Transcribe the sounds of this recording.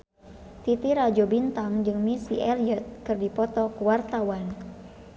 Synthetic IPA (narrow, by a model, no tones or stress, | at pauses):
t̪it̪iɾad͡ʒɔbint̪aŋd͡ʒɨŋmisiʔɛliɔt̪̚kɨrdipɔt̪ɔkuwart̪awan